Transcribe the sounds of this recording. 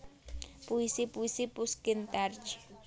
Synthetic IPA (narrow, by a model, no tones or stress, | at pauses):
pʊjsɪpʊjsɪpʊskɪnt̪aɾt͡ʃɪ̥